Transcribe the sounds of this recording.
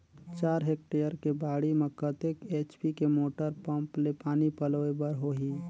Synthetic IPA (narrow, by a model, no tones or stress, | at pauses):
t͡ʃaːɾɦek̚ʈejəɾkebaːɽimẽkət̪ekeːt͡ʃpikemoːʈəɾpə̃mplepaːnipəloebəɾɦoɦi